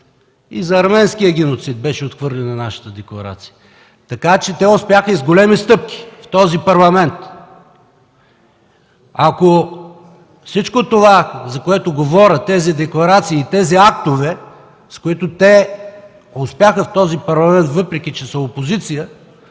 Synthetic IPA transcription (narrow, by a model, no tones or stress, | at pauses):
izɐːɾmɛnskʲijəɡʲɛnot̪sid̪̚bɛʃɛot̪xvɤɾlɛnːɐnaʃɐ̥t̪əd̪ɛklˠɐɾa̰t̪si̥jə | t̪ɐkat͡ʃɛt̪ɛʊspʲjaxəizɡolɛmist̪ɤp̚kʲi̥ft̪ɔzipɐɾlˠɐmɛnt̪ | ako | fsit͡ʃkot̪ovazɐkoɛt̪oɡovɔɾʲət̪ɛzid̪ɛklˠɐɾat̪siːt̪ɛziak̚t̪ovɛ | skoit̪ot̪ɛ | ospʲjaxəft̪ɔzipɐɾlˠɐmɛnt̪vɤpɾɛkʲit͡ʃɛsəopozit̪sijə